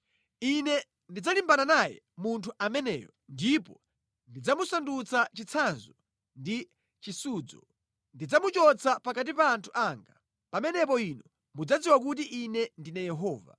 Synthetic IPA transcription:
inɛ | ndid͡zalimbananajɛ̰ | muntʰuʔamɛnɛ̰ːjɔndipɔ | ndid͡zamusandut͡sʰat͡ʃit͡sʰanzɔ | ndi | t͡ʃisuːd͡zɔ̰ | ndid͡zamut͡ʃɔt͡sʰapakat̬ipaːntʰu̥ʔaŋɡa | pamɛnɛp̬ɔinɔ | mud͡zad͡ziwak̬ut̬iʔinɛndinajɛɦɔːva̰

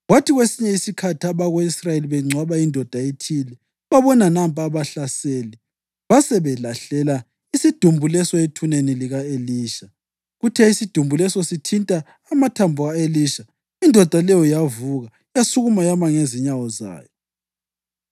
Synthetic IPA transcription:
ɣwatʰiɣwesiɲɛisikʰatʰiaβaɣweisrajeliβɛŋ͡ǀʱwaβaindʱɔd̥ʱaetʰilɛ | βaβɔnanampʼaβaɬaseːlɛ | βasɛβɛlaɬɛla | isid̥ʱumbʱulɛsɔetʰuneniliɣaeliːʃa | ɣutʰɛisid̥ʱumbʱulɛsɔsitʰintʼaː | matʰambʱuɣaeliːʃa | indʱɔd̥ʱalɛjɔjavuɣa | jasuɣumajamaŋeziɲawɔza̰ːjɔ

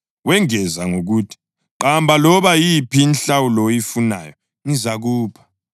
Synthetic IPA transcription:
wɛŋɛzaŋoɣuːtʰi̥ | ǃambʱalɔβajipʰiːnɬawulɔjifuna̰jɔ | ŋizaɣuːpʰḁ

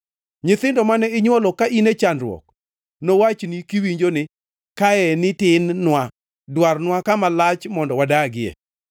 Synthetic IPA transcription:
ɲɪt̪ɪndɔmanɛɪɲwɔlɔkaʔinet͡ʃanɾwɔ̰k̚ | nowat͡ʃnikiwiɲd͡ʒonɪ | kaɛnɪtɪnːwa | dwarnwakamalat͡ʃmɔndɔwadaɡɪɛ̰

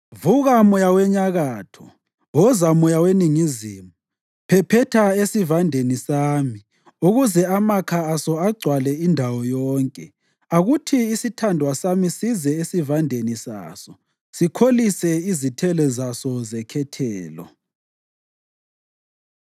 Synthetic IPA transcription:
vuɣamɔjawɛɲaɣaːtʰɔ̥ | wɔzamɔjaweniŋizimu | pʰɛpʰɛtʰaesivandʱenisaːmi | uɣuzɛamakʰaːsɔaɡ͡ǀʱwalɛindʱawɔjɔːŋkʼɛ | aɣutʰiːsitʰandʱwasamisizɛesivandʱenisa̰ːsɔ̥ | sikʰolisɛizitʰɛlɛzasɔzɛkʰɛtʰɛːlɔ̰

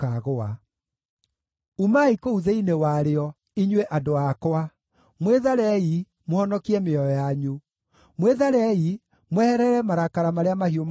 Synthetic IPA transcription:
aɣoa | umaikouðeinewaɾeɔ | iɲweʔadoakɔa | mweðaɾɛi | mohɔnɔkiɛmeɔjɔjaɲu | mweðaɾɛi | mwɛhɛɾɛɾɛmaɾakaɾamaɾeamahiom

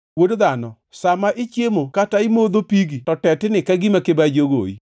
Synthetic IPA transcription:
wodoðanɔ | samaʔɪt͡ʃjemokataimoðopiɡitɔtɛtɪnɪkaɡimakebad͡ʒoɡo̰ḭ

